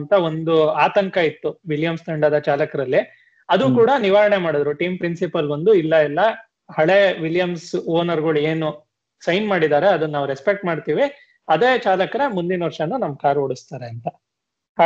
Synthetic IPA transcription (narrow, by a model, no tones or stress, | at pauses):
nt̪ɐo̞nd̪uaːt̪ɐŋkɐit̪ːuʋiljɐmst̪ʰɐɳɖɐd̪ɐt͡ʃaːlɐkɐɾɐlːi | ɐd̪ukuːɽɐniʋaːɾɐɳe̞maːɽod̪ɾuʈiːmpɾinsipɐlbɐnd̪uilːɐilːɐ | hɐɭe̞ʋiljɐmsoːnɐɾɡɐɭue̞ːnu | sɐjnmaːɽid̪aːɾeɐd̪unːaːʋɾespek̚ʈmaːɖt̪iːʋi | ɐd̪eːt͡ʃaːlɐkɐɾemund̪inʋɐɾʂɐnːunɐmːkaːɾoɽust̪aːɾeɐnt̪ɐ